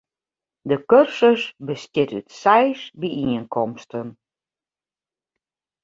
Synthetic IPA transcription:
dəkørsəsbəstɪtytsɛjsbiʔiənkʰɔmstən

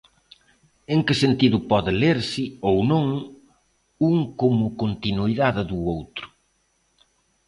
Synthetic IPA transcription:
eŋkɪsent̪iðʊpɔðɪleɾsɪownõŋ | uŋkomʊkont̪inuiðaðɪðuowt̪ɾʊ̥

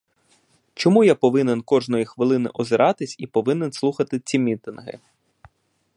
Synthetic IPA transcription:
t͡ʃɔmujapɔʋɪnenkɔʒnɔjixʋɪlˠɪnɪ̰ʔɔzɪɾʔɑt̪ɪsʲipɔʋɪnenslˠuxɐt̪ɪt͡sʲimʲit̪ɪnɦɪ̰

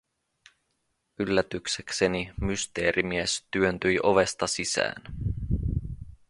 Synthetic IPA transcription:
ylːæt̪ykseksenimyst̪e̞ːɾimiest̪yønt̪yjʔoʋe̞st̪ɑsisæ̰ːn

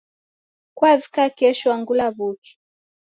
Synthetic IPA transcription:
kwavikakɛʃɔwaŋɡulaβuki̥

